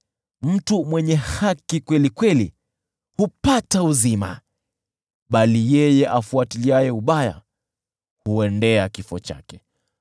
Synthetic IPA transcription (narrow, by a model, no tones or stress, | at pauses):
m̩tumwɛɲɛhakikwɛlikwɛli | hupatauzima̰ | ɓalijɛjɛʔafuatiliajɛuɓaja̰ | huɛndɛakifɔt͡ʃa̰kɛ̥